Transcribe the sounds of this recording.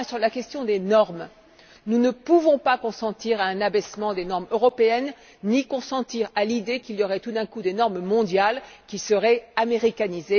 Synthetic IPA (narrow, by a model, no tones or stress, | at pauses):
ɛ̃syʁlakʲɛst̪jɔ̃d̪enɔʁm | nunəpuvɔ̃pakɔ̃sɑ̃t̪iʁaɛ̃nabɛsmɑ̃d̪enɔʁmøʁɔpeɛnː | ikɔ̃sɑ̃t̪iʁalid̪ekiljɔʁɛt̪ud̪ɛ̃kud̪enɔʁmmɔ̃d̪jalkʲisəʁɛameʁikanize